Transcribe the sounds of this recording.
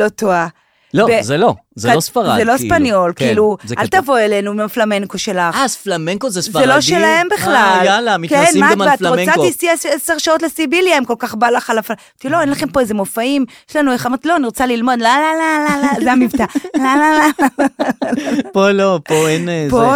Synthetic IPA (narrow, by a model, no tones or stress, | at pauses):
lo̞t̪oa | lovezelozeaosfaʁazelospanjo̞lkiiluza̰lt̪avo̞elenumflameŋkoʃelaχasflameŋkozeszelo̞ʃelaembiχlalalamitkenmamvatʁot͡satisieseseʁʃaot̪̬lesibiljaemko̞lkaχbalaχalaf | tiloenlaχe̞mpo̞ezemofaimjeʃlanueχamʁt̪lo̞aniʁot͡salilmo̞d̪lalalalalazeamivtalalalaal | polopoenpo